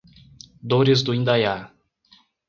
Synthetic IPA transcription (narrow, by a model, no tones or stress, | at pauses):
d̪oɾɪzd̪ʊĩnd̪aja